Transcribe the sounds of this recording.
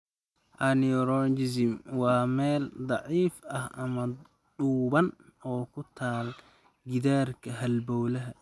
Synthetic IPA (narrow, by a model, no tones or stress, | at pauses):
ʔɐnɪɔɾɔd͡ʒɪsɪmwɑːmɛːld̪ˤɑʕiːfɐhʔɐmɐ | ɖuːβɐnɔːkʰʊt̪ʰaːl | ɡɪðaːrkʰɐɦɐlbɔwlɐɦɐ